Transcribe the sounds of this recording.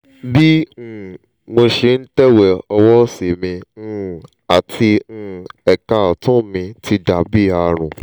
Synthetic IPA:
bĩ˦˨ | mo˧ʃe˧n̩˦tɛ˦wɛ˨ɔ˧wɔ˦si˨mĩ˧˨ | a˨tʰĩ˧˨ɛ˨ka˧˨ɔ˨tũ˦mĩ˧tʰi˧da˨bi˦a˨˧ɾ̃ũ˨

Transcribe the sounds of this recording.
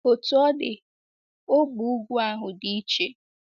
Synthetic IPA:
o˨tu˨˦ɔ˦dɪ˨ | o˦ɡ͡bu˨u˦ɡʷu˦a˦ɦʊ˨di˦i˦t͡ʃe˦

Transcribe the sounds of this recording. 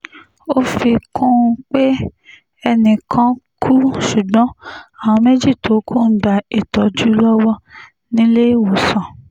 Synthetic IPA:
o˦fi˧kʰũ˦˧k͡pe˦ | ɛ˧nĩ˨kʰã˦kʰu˦ʃu˨ɡ͡bɔ̃˦a˦˨w̃ɔ̃˧me˦d͡ʒi˦˨to˨˦kʰũ˦˨n̩˦da˨e˨tɔ˨˦d͡ʒu˦lɔ˦wɔ˦ | nĩ˦le˦wo˨sã˨

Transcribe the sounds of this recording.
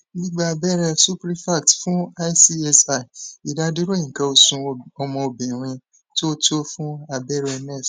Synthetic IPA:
nĩ˦ɡ͡ba˦a˧bɛ˦ɾɛ˧su˦pɾi˦fa˦˨tfũ˦a˦si˦ɛ˦sa˦˨i˨i˨da˧di˦ɾo˦ĩ˨kã˧o˧sũ˧ɔ˧mɔ̃˧o˧bĩ˨ɾ̃ĩ˧ | to˦to˦fũ˦a˧bɛ˦ɾɛ˧ɛ˧mɛ˦˨s

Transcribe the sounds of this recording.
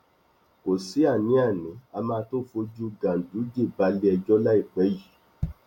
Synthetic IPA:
ko˨si˨˦a˦˨nĩ˨˦a˦˨nĩ˨˦a˧mãː˧to˦fo˧d͡ʒu˦ɡã˨n̩˨du˨˦d͡ʒe˦˨ba˨˧˦le˦ɛ˧d͡ʒɔ˦la˦i˦˨k͡pɛ˨˦ji˦˨

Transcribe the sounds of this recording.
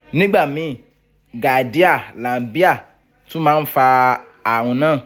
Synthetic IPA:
nĩ˦ɡ͡ba˦˨mĩ˨˦˨ | ɡa˨di˨˦a˦˨lã˨bi˦a˦˨ | tũ˦mãː˦n̩˦fa˧ | a˨ɾ̃ũ˧nãː˦˨

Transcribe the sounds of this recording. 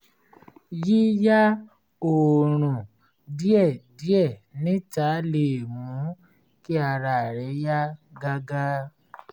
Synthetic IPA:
ji˦ja˦ | o˨ɾ̃ũ˨ | di˦ɛ˦˨di˨˦ɛ˦˨nĩ˨˦ta˨˦le˨mũ˨˦ | ki˦a˧ɾa˨ɾɛ˨˦ja˦ɡa˦ɡa˦

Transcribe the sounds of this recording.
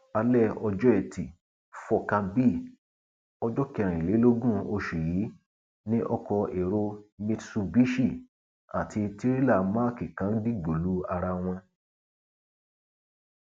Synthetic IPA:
a˧lɛ˦˨ɔ˧d͡ʒɔ˦ɛ˨ti˨ | fɔ˧kã˧bi˦˨ | ɔ˧d͡ʒɔ˦ki˧ã˨ɾ̃ĩ˨le˨˦lo˦ɡũ˦o˧ʃu˨ji˨˦ | nĩ˦ʔɔ˧kɔ˧e˨ɾo˧mi˧tsu˧bi˦ʃi˦˨ | a˨tʰi˧ti˦ɾi˦la˦˨ma˦˨ki˨kã˨˦n̩˦di˦ɡ͡bo˨lu˨˦a˧ɾa˧w̃ɔ̃˧

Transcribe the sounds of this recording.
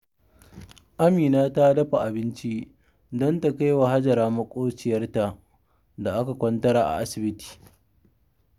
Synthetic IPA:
ʔa˦miː˨naː˦ta˦dɐ˦ɸa˨ʔa˨bɪ˦nt͡ʃi˦ | dɔ˦nta˨ka˦jwa˨ɦa˦d͡ʒɐ˨ɾaː˦mɐ˦kʷʼoː˦t͡ʃɪ˨jɐ˦rta˨ʔ | da˨ʔa˦ka˨kʷɔ˦ntɐ˦ɾaː˨ʔa̰˨ʔa˦sɪ˨bɪ˦ti̥ː˨

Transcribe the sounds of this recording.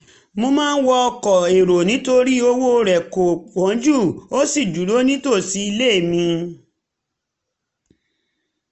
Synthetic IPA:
mo˧mãː˦n̩˦wɔ˧ɔ˧kɔ˨e˨ɾo˨nĩ˨˦to˦ɾi˦o˧wo˦˧ɾɛ˨ko˨k͡pɔ̃˨˦d͡ʒu˦˨o˦si˦˨d͡ʒu˨˦ɾo˦nĩ˦to˦˨si˨˦i˧le˦˨mĩ˧

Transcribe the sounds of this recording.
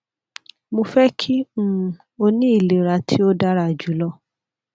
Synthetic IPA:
mo˧fɛ˦kʰĩ˦ | o˧nĩ˦i˦˨le˨ɾa˨˦tʰi˦o˦da˦ɾa˦˨d͡ʒu˨˦lɔ˦

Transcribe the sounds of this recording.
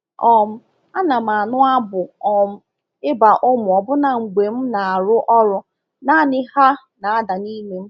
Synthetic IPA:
ɔ˨m̩˦ | a˦na˨m˨a˨nʊ˦a˦bʊ˨ɔ˨m̩˦ | ɪ˦ba˨ʔʊ˦mʊ˨ɔ˨bʊ˦na˨ŋ͡m̩˨ɡ͡be˨m̩˦na˨a˨ɾʊ˦ʔɔ˦ɾʊ˦ | na˦˨nɪ˦ha˦ | na˨a˦da˨ni˦me˨m̩˦

